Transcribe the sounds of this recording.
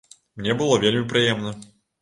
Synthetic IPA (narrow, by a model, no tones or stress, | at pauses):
mnʲɛbɨlˠɔvʲelʲmʲipɾɨjɛmnɐ